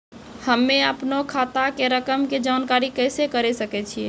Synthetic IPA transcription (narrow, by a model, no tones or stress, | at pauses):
həmːeəpnokʰat̪akeɾəkəmked͡ʒaːnkaɾikəjsekəɾesəkɛt͡ʃʰie